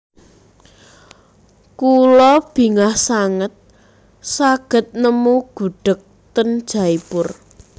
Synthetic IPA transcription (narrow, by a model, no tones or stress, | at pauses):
kulɔb̥i̤ŋahsaŋət̪̚ | saɡ̥ə̤t̪̚nəmuɡ̥ṳɖ̥ə̤k̚ | t̪ənd̥ʒ̥a̤ipʊr